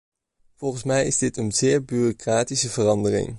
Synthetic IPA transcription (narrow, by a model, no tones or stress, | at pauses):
v̥ɔlˠχənsmɛjɪzdɪtənzɪːɹbyrokraːtisəvərɑndərɪ̰ŋ